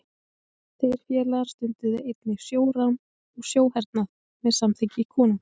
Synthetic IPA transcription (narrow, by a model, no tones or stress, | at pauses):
θeɾ̥fjɛːlaɾ̥st̪ʏnt̪ɪðɪejt̪nɪsjoːwɾan | ɔɣsjoːwhɛɾt̪nað | mɛðsamθɪɲcɪkʰɔːnʏm